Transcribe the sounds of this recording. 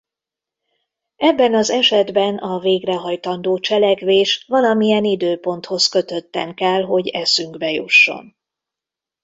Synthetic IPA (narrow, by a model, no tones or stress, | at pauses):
ɛbːɛnɒzɛʃɛd̪bɛnɒveːɡrɛɦɒjt̪ɒnd̪oːt͡ʃɛlɛkʋeːʃvɒlɒmijɛnid̪øːpo̞n̪t̪ho̞skø̞t̪ø̞t̪ːɛŋkɛlɦo̞ɟɛsyŋɡbɛjuʃːo̞̰n